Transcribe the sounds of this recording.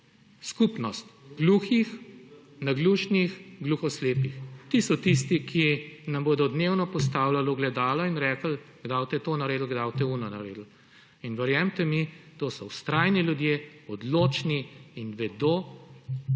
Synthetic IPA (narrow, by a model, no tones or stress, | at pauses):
skuːpnɔst̪ɡluxix | naɡluːʃnixɡluxɔsleːpixt̪isɔt̪is̬t̪ikʰinamboːd̪ɔd̪neːwnɔpɔst̪aːwlalɔɡlɛd̪aːlɔinɾɛːkəlɡd̪awt̪ɛt̪oːnaɾeːd̪lɡd̪awt̪ɛunɔnaɾeːd̪l̩ | inʋɛɾjɛmt̪ɛmid̪osɔwst̪ɾaːjniljud̪jeɔd̪loːt͡ʃniinʋɛd̪oː